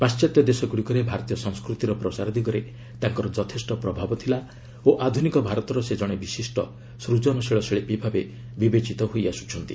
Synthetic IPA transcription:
past͡ʃat̪jɔd̪esɔɡuɽikɔɾebʱaɾɔt̪ijɔsɔŋskɾut̪iɾɔpɾɔsaɾɔd̪iɡɔɾe | t̪aŋkɔɾɔd͡ʒɔt̪ʰesʈɔpɾɔbʱabɔt̪ʰila | oʔad̪ʱunikɔbʱaɾɔt̪ɔɾɔsed͡ʒɔɽ̃ebisisʈɔ | sɾud͡ʒɔnɔseɭɔseɭepibʱabe | bibet͡ʃit̪ɔɦojasu̥t͡ʃʰɔnt̪i

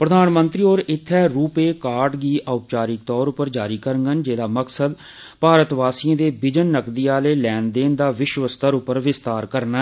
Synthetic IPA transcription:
pɾəd̪aːnmə̃nt̪ɾiːoːɾɪt̪ʰːɛːɾuːpeːkaːɾʈɡiːʔaːpt͡ʃaːɾɪk̚t̪ɔːɾʊpəɾd͡ʒaːɾiːkəɾəŋɡənd͡ʒeːd̪aːməksəd̪ | paːɾət̪ʋaːsiə̃ːd̪eːbɪd͡ʒənːəkd̪iːaːleːlɛːnd̪eːnd̪aːʋɪʃʋəst̪əɾʊpːəɾʋɪst̪aːɾkəɾna

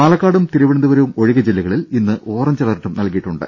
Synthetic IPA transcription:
maːlɐkːaːɽumt̪iɾuʋiɳɐnd̪uʋɐɾɐʋumo̞ɻiɣɐd͡ʑelːiɣɐɭilinːɨʔo̞ːrɐmt͡ɕɐlɐrʈːumnɐlkijiʈːuɳɖɨ̰

